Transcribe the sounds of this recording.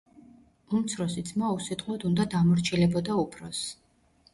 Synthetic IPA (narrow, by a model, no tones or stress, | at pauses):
umt̪sʰɾɔsit̪sʰmausit̪ʼqʼɔd̪und̪ad̪amɔɾt͡ʃʰilɛbɔd̪aupʰɾɔs